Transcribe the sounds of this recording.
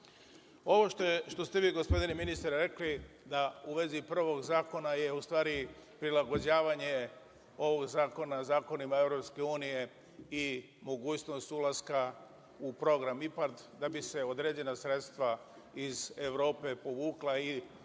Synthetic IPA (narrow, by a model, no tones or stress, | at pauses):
o̞ʋo̞ʃt̪ʃt̪o̞st̪e̞ʋiːɡo̞spo̞d̪ineminist̪ɾɾe̞kli | d̪auʋe̞zipr̩ʋo̞ɡzaːko̞najeust̪ʋaːɾipɾilaɡo̞d͡ʑaːʋaɲe̞ | o̞ʋo̞ɡzaːko̞nazaːko̞nimae̞ʋɾo̞pske̞uːnije̞ | i | mo̞ɡuːt͡ɕno̞st̪ulˠaska | upɾo̞ɡɾamipat̪d̪abise̞o̞d̪ɾe̞ːd͡ʑe̞nasɾe̞t̪st̪ʋa | izeʋɾo̞ːpe̞po̞ʋuːklai